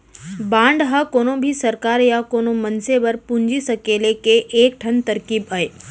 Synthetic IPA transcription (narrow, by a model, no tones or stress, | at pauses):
bãːɳɖɦɐkoːnõbʱisəɾkaːɾjakoːnomənsebəɾpuɲd͡ʒisɐkeːlekeʔeːk̚ʈʰənt̪əɾkibəe